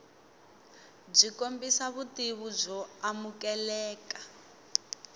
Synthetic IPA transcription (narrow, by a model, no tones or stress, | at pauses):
b͡ʐikombisaβutiβud͡zɔamukɛlɛːka